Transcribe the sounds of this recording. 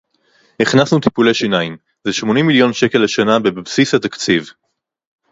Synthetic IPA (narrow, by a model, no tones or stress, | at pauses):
iχnasnut̪ipuleʃinaim | zeʃmo̞nimːiljo̞nʃeke̞lːeʃanabebebsisat̪akt͡siv